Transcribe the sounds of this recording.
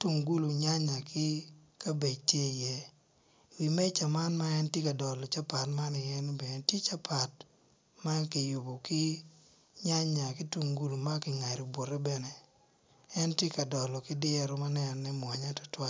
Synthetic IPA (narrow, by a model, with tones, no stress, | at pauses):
tu˨ŋɡu˦lu˨ɲa˦ɲa˨kʰɪ˦ka˦be˨tje˦jɛ˦ | wi˨mɛ˦t͡ʃa˨ma˦nma˦ɛ˦ntje˦ka˨dɔ˨lɔ˨t͡ʃa˦pa˨tma˦nɪ˨ɛ˦nbɛ˨n˨ti˦t͡ʃa˦pʰa˨t̚ | ma˦kɪ˨jʊ˨bɔ˨kɪ˦ | ɲa˦ɲa˨kɪ˦tu˨ŋɡu˦lu˨ma˦kɪ˨ŋa˨ɾo˨bwo˨ɾɛ˦bɛ˦nɛ˨ | ɛ˦ntɪ˦ka˨dɔ˨lɔ˨kɪ˦dɪ˦ɛ˨ɾo˦ma˦nɛ˦n˨nɛ˦mwa˨ɲa˦tɔ̥˨twa˦